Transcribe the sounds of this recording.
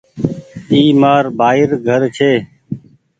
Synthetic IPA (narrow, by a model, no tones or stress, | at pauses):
t̪iːmaːɾbʱaːɪɾɡʱəɾt͡ʃʰeː